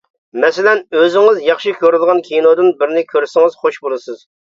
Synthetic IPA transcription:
mɛsɪlɛnøzɪŋɪzjɑχʃɨkʲʰøɾɪd̪ɨʁɑnkʲʰijnod̪ɨnbɪɾnɪkʲʰøɾsɪŋɨz̥χoʃbolˠɨsɨz̥

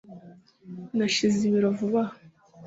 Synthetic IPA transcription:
naʃiziβiɾovuβa

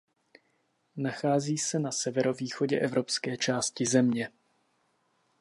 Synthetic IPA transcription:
naxaːziːsɛnasɛvɛɾo̞viːxoɟɛʔɛvɾo̞pskɛːt͡ʃaːscɪzɛmɲɛ

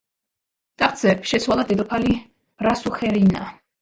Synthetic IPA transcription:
t̪ʼaχʼd̪z̥ɛpʃɛsʰwalˠad̪ɛd̪ɔpʰali̥ | ɾasuχɛɾina̰

